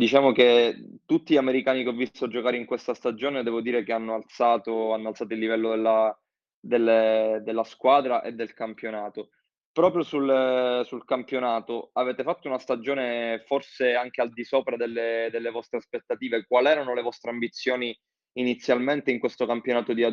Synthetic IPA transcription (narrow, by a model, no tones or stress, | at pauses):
d̪it͡ʃaːmoket̪ut̪ːiʎameɾikaːnikeovːist̪ɾod͡ʒokaːɾeiŋkwest̪ast̪ad͡ʒoːned̪ɛːvod̪iːɾekeanːoalt̪saːt̪oanːoalt̪saːt̪oilːivɛlːod̪elːa | d̪elːed̪elːaskwaːd̪ɾaʔed̪ːelkampjonaːt̪o | pɾɔːpɾjosulsulkampjonaːt̪oavɛːt̪efat̪ːounast̪ad͡ʒoːneforseaŋk̟eald̪isoːpɾad̪elːed̪elːevɔst̪ɾeaspet̪ːat̪iːvekwalɛːɾanolevɔst̪ɾeambit̪sːjoːniː | nit̪sːjalment̪eiŋkwest̪okampjonaːt̪od̪ia